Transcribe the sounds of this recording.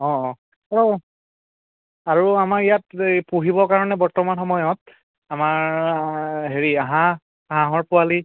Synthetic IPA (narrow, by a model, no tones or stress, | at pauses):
ɔ̃ | aɹu | aɹuamakijat̚puɦibɔkaɹɔnɛbɔɹtɔmanxɔmɔjɔt | amaɹ | ɦeɹiaɦã | ɦãɦɔɹpʊali